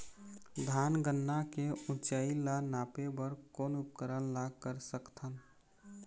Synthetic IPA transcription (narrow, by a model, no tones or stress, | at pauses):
d̪ʱaːnɡənːakeũt͡ʃailanapebəɾkoːnʊp̚kəɾənlakəɾsəkt̪ʰən